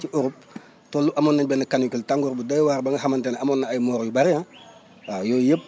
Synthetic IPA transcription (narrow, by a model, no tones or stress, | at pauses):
t͡ʃiʔɔɾup̚ | tɔlːuʔɐmɔːnːɐɲbɛnɐkanjukiltaŋɡɔɾbudɐjwaɾbɐŋɡɐxɐmɐntɛnɐmɔnːɐɐjmɔːɾjubɐɾiã | ajɔːjəp̚ː